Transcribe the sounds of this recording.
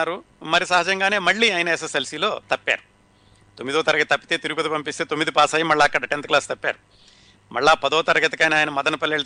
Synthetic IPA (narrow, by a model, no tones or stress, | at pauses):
aːɾu | mɐɾisɐɦɐːd͡ʒɐŋɡaːne̞ːmɐɭːiːɐjɐnɐes̬eselsiːlo̞ːt̪ɐpːa̰ːɾu | t̪omːid̪ɔːt̪ɐɾɐɡɐt̪̚t̪ɐpːit̪e̞ːt̪iɾuɡupɐd̪ipɐmpist̪e̞ːt̪omːid̪ipaːsaːjimɐɭːaːɐkːɐɽɐʈent̪̚klaːst̪ɐpːa̰ːɾu | mɐɭːaːpɐd̪ɔːt̪ɐɾɐɡɐt̪ikɐːjnaːjnɐmɐd̪ɐnɐpɐlːeːɭɐt̪